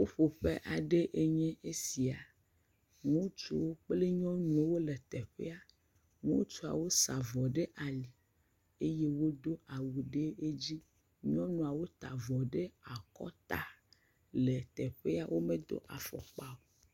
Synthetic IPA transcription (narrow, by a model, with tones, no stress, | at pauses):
wo˦ɸo˨ɸe˦ʔa˨ɖe˦ʔe˦ɲɛ̃˦e˦si˨a˨ | ŋũ˦t͡ʃo˦wo˦k͡ple˦ɲɔ̃˦nũ˨˦wo˦le˨t̪ɛ˨ɸḛ˦a˨ | ŋṵ̃˦t͡ʃu˦a̰˨wo˦sa˨vɔ˨ɖe˦ʔa˨li˨ | e˦je˦wo˦d̪o˦ʔa˨wu˨ɖe˦e˦d͡ʑi˦ | ɲɔ̃˦nũ˨a˨wo˦t̪a˨vɔ˨ɖe˦a˨kɔ̰˦t̪a˨ | le˨t̪ɛ˨ɸe˦a˨wʔo˦mẽ˦d̪o̰˦ʔa̰˨fɔ̰˨k͡pa˦o˨